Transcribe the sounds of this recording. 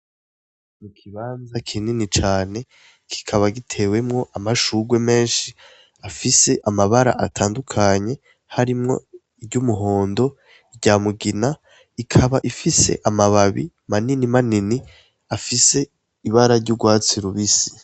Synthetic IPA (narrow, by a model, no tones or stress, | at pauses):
mukʰiβaːnzakʰininit͡ʃaːne̞ | kʰi̥kʰaβaɡitʰe̞we̞mŋo̞ʔamaʃuːɡwe̞me̞ːnʃi | afise̞ʔamaβaɾa̰ʔatʰaːndukʰaɲe̞ | haɾimŋo̞̰ | ibɟumuɦo̞ːndo̞ | iɾɟaːmuɡina | ikʰaβaʔifise̞̰ʔamaβaβḭ | maninimanini | afise̞ | iβaɾaɾɟuɡwaːt͡siɾuβisi̥